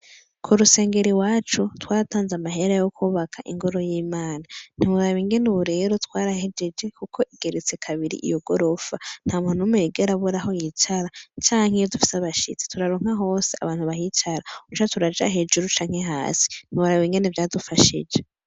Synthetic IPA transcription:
kʰuɾuse̞ːŋɡe̞ɾiwaːt͡ʃutwaːɾataːnzamaɦe̞ɾajokʰuːβakʰaʔḭŋɡoɾo̞jiːmaːnan̥imuɾaβiŋɡe̞nuβuɾe̞ɾo̞twaːɾahed͡ʒed͡ʒe̞kukʰo̞ʔiɡ̥e̞ɾet͡se̞kʰaβiɾḭʔḭjoɡo̞ɾo̞fan̥haːmunumeːɡeɾaβuɾaɦo̞jit͡ʃaɾat͡ʃaːŋhejodufi̥saβaʃḭt͡si̥tuɾaɾoŋ̥haɦo̞ːsea̰βaːn̥huβahit͡ʃaɾaut͡ʃatuɾad͡ʒa̰ɦeːd͡ʒuɾut͡ʃaːŋ̥he̞ɦa̰ːsi̥n̥iβuɾaβiŋɡenevjaːdufaʃḭd͡ʒe

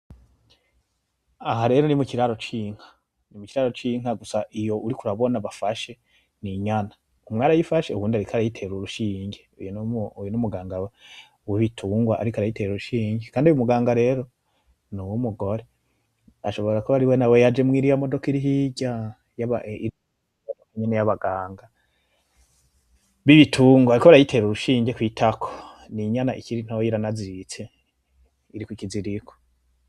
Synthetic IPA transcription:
aɦaɾe̞ɾonimukiɾaɾo̞t͡ʃiŋ̥hḁ | nimukiɾaɾot͡ʃiŋ̥aɡusaʔijo̞ʔuɾikuɾaβo̞naβafaʃe̞ | niɲana | umŋaːɾajifaʃe̞uβuːndiaɾikʰaɾajitʰe̞ɾuɾuʃiːɲɟeujnujonumuɡaːŋɡawe | wiβitʰuːŋɡwaʔaɾikaɾajite̞ɾuɾuʃiːɲɟekʰaːndujumuɡaːŋɡaɾe̞ɾo̞ | nuwumuɡo̞ɾe | aʃo̞βo̞ɾakoaɾiwenawejad͡ʒe̞mŋiːɾijamodo̞kiɾiɦiɟa | jaβa̰ḭɾi | aakuɲenejaβaɡaːŋɡa | βiβitʰuːŋɡwaɾikoaɾajitʰe̞ɾuɾuʃiːɲɟekwiːtʰakʰo̥ | niɲanaʔikiɾin̥hawojiɾanazit͡se̞ | iɾikwikiziɾikʰo̥

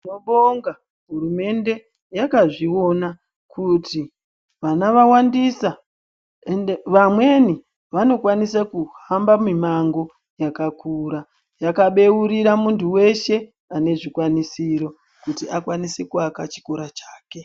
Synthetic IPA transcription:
no̞ɓoŋɡa | ɦuɾume̞nde̞ | jakaʐio̞na | kʰuti | ʋanaʋawandisa | enʋamwe̞ni | ʋano̞kwanisakuhambamimaŋɡo̞ | jakakʰuɾa | jakaɓe̞uɾiɾamuntuwe̞ʃe̞ | ane̞ʐikwanisiɾo̞ | kutiakwanise̞kuakat͡ʃi̥koɾat͡ʃaːke̞

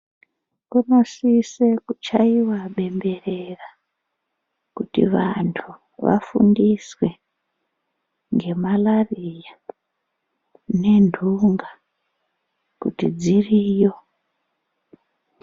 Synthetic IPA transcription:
kuno̞sisekut͡ʃaiwaɓe̞mbe̞rera | kutḭʋantʰu | ʋa̰fṵndiswe̞ | ŋɡe̞malarija | ne̞ndʱuŋɡa | kṵtid͡ziriːjo

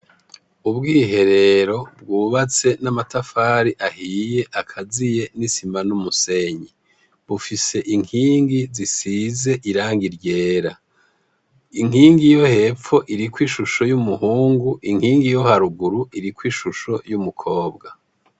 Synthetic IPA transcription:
ubɡiːɦe̞ɾe̞ɾo̞bɡuːβat͡se̞namatafaːɾiʔahiːje̞ʔakʰazije̞nisimanumuse̞ɲi | βufise̞ʔiŋiːŋɡizisize̞ʔiɾaːŋɡiɾɟe̞ːɾa | iŋ̥hiːŋɡijo̞he̞ːfo̞ʔiɾikwiːʃuʃo̞jumuhuːŋɡuʔiŋ̥hiːŋɡijo̞haɾuɡuɾuiɾikwiːʃuʃojumukʰo̞ːbɡa

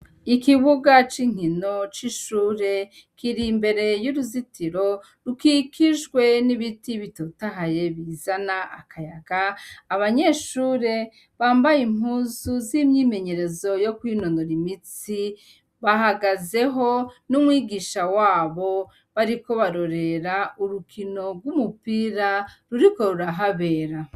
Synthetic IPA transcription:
ikiβuɡat͡ʃiŋ̥hino̞t͡ʃiʃuːɾe̞ | kʰiɾimbe̞ɾe̞juɾuzitiɾo̞ | ɾukikiʒɡwe̞niβitiβitotaɦaje̞βizanaʔakʰajaɡ̥aːβaɲe̞ʃuːɾe̞ | βaːmbajim̥uzuzimɲiːme̞ɲe̞ɾe̞zo̞jo̞kwiːno̞no̞ɾimit͡si | βaɦaɡaze̞ɦo̞numwiːɡiːʃawaːβo̞ | βaɾiko̞βaɾo̞ɾe̞ɾauɾukʰino̞ɾɡwumupiɾaɾuɾiko̞ɾuɾaɦaβe̞ːɾa

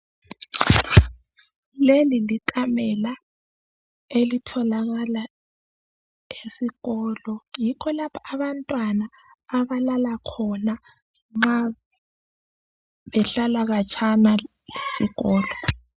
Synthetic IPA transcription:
leliliǃʼamɛla | elitʰɔlaɣala | esiɣɔːlɔjikʰɔlapʰaaβantʼwanaː | βalalakʰɔna | ŋ͡ǁa | βɛɬalaɣat͡ʃʰana | lesiɣɔːlɔ

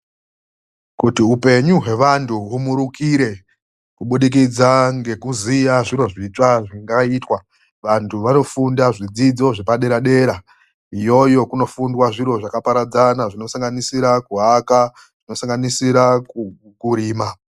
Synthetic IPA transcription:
kutiupe̞ɲuɦe̞ʋantʰuumuɾukiɾe̞ | kuɓuɗik̬id͡zaŋɡe̞kuzijaʐiɾo̞ʐit͡ʂaʐiŋɡaiːtwa | ʋantʰuʋano̞fundaʐid͡zid͡zo̞ʐepaɗe̞ɾaɗe̞ɾa | ijo̞jo̞kuno̞fundwaʐiɾo̞ʐakapaɾad͡zanaʐino̞saŋɡanisiɾakuɦaka | ʐ̥ino̞saŋɡanisiɾa | kuɾiːma

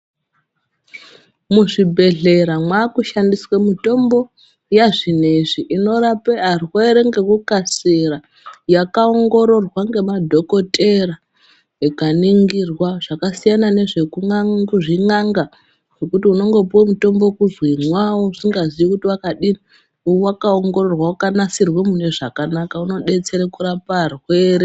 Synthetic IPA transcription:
muʐibʱe̞ɮe̞ɾamwaːkuʃandiswemito̞mbo̞ | jaʐineʐiʔino̞rapearwoeɾe̞ŋɡe̞kukasera | jakaoŋɡo̞ɾo̞rwaŋɡe̞madʱo̞ko̞tʼera | ekaniŋɡirwaʐ̥akasijanane̞ʐe̞kuuʐiŋaŋɡa | ʐ̥o̞kutiuno̞ŋɡo̞puwomuto̞mbo̞kuzwinwawousiŋɡazijikutiwakaɗini | uwakaoŋɡo̞ro̞rwaukanasirwemuneʐakanakauno̞ɗe̞t͡se̞ɾekuɾaparweːɾe

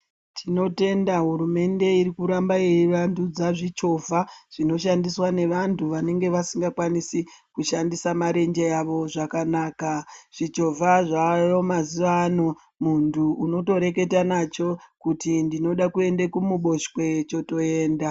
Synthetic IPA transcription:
tʰino̞te̞ndaɦuɾume̞nde̞iɾikuɾambaeiʋandud͡zaʐit͡ʃo̞vʱaʐ̥ino̞ʃandiswane̞ʋantuʋane̞ŋɡe̞ʋasiŋɡakwanisikuʃandisamaɾe̞nd͡ʒe̞aʋo̞ʐakanaːkaʐ̥it͡ʃo̞vʱaʐajo̞maziʋano̞ | muntuuno̞to̞ɾe̞ke̞tanat͡ʃo̞kutindino̞ɗakue̞ndekumuɓo̞ʃkwe̞t͡ʃo̞to̞e̞ːnda

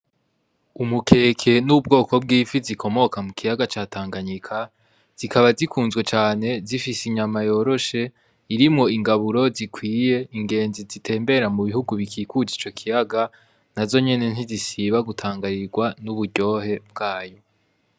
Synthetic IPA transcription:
umukʰe̞ːkʰe̞nub̚ɡo̞ːko̞b̚ɡiːfizikʰo̞mo̞kamukʰijaɡat͡ʃaːtʰaːŋɡaɲikʰa | z̥ikʰaβazikʰuːnzɡwe̞t͡ʃaːne̞zifisiɲamajo̞ːɾo̞ʃe̞ | iɾimŋo̞iŋɡaβuɾo̞zikʰwiːje̞iŋɡe̞ːnzizitʰe̞ːmbe̞ɾamuβihuɡuβikʰiːkud͡ʒit͡ʃo̞kʰijaɡa | nazo̞ɲe̞ne̞n̥izisiβaɡutʰaːŋɡaɾiɾɡwanuβuɟo̞ːhe̞b̚ɡaːjo̞

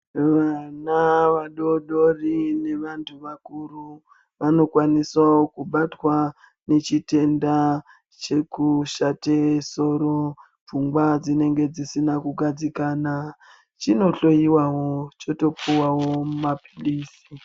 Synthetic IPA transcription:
ʋanaʋaɗo̞ɗo̞rine̞ʋantʰuʋakuru | ʋano̞kwaniswaokuɓatwa | ne̞t͡ʃite̞nda | t͡ʃe̞kuʃateso̞ɾo̞ | b͡vuŋɡwad͡zine̞ŋɡe̞d͡zisinakuɡʱad͡zikaːna | t͡ʃino̞ɬo̞jiwawo̞t͡ʃoto̞puwawo̞mumapi̥liːsi

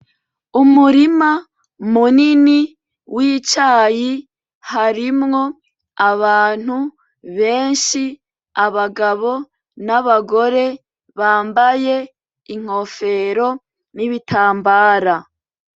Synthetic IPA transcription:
umuɾima | munini | wiːt͡ʃaːji | haɾimŋo̞ | aβaːn̥hu | βe̞ːnʃi | aβaɡaβo̞ | naβaɡo̞ɾe̞ | βaːmbaje̞ | iŋ̥o̞fe̞ɾo̞ | niβitʰaːmbaːɾa

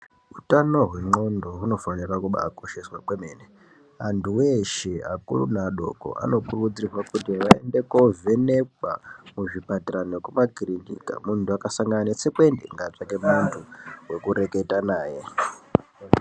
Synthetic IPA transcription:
utano̞ɦwe̞ŋ͡ǃo̞ndo̞ɦuno̞fanirakuɓa̰ːko̞ʃeswakwemeːne | antʰuweʃeakṵlunaɗo̞̰ko̞̰ʔa̰no̞kurud͡ziirwakutiʋaḛnde̞koveneka̰muʐipatiranokumakiɾinḭka̰muntuakasaŋɡananet͡sekuendḛŋɡat͡ʂake̞muntʰuwe̞kuɾe̞ke̞tanaːje̞

